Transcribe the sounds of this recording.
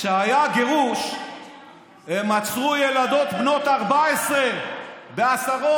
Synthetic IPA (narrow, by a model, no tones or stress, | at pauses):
ʃeajaɡe̞ʁuʃ | e̞mat͡sʁujelad̪o̞t̪bno̞t̪aʁbaesʁebe̞asaʁo